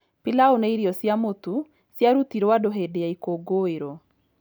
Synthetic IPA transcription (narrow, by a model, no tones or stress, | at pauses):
pilaoneiɾiɔsjamotu | sjaɾutiɾwadoɦedeaikoɡoeɾɔ